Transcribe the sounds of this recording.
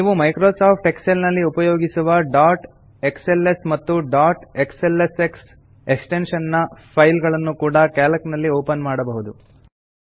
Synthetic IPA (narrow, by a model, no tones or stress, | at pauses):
niːʋumɐjkɾoːsaːp̚ʰʈekselnɐlːiupɐjoːɡisuʋɐɖaːɾʈ | e̞kselːesmɐt̪ːuɖaːɾʈekselːeseks | eksʈe̞nʂɐnːɐpʰɐjlɡɐɭɐnːukuːɽɐkaːlɐknɐlːioːpɐnmaːɽɐbɐɦud̪u